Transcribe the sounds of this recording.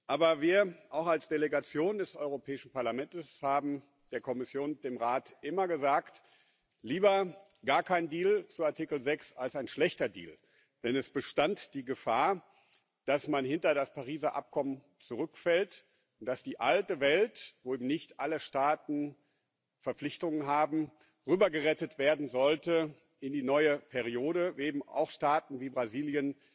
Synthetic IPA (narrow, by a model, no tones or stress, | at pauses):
ʔaːbɐviːɐʔaʊxalsd̥eleɡat͡sjoːndɛsʔɔʏʁopʰɛːɪʃn̩paɐlamɛntəshaːbm̩ | d̥eːɐkʰɔmɪsjoːnd̥eːmʁaːtʔɪmɐɡəzaːkt | liːbɐ | ɡ̥aːɐkʰaɪndiːlt͡suaɐtikl̩zɛksalsaɪnʃlɛçtɐdḭːl | d̥ɛnɛsb̥əʃtantd̥iːɡəfaːɐ | d̥asmanhɪntɐɾaspaʁiːzaʔa̰p̚kʰɔmən | t͡suʁ̞ʏkfɛlt | ʊnt̚d̥asd̥iːʔaltəvɛltvoːeːbm̩nɪçtʔaləʃtaːtn̩ | fɛɐflɪçtʊŋənɦaːbm̩ | ʁyːbɐɡəʁɛtətv̥eːɐdn̩zɔltə | ʔɪndiːnɔʏəpʰɛʁioːɾəʔeːbm̩a̰ʊxʃtaːtn̩viːbʁaziːljən